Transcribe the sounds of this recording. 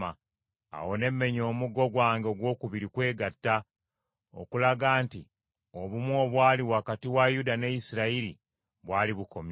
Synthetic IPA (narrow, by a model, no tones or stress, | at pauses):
a | a̰wo̞ne̞mːe̞ɲo̞ːmuɡo̞ɡwaːŋɡeoɡwo̞ːkuβiɾikwe̞ːɡatːa | o̰kulaɡaːnti | o̞βumwoːβwaːliwakatiwajudane̞jisiɾaiɾḭ | βwaːliβuko̞m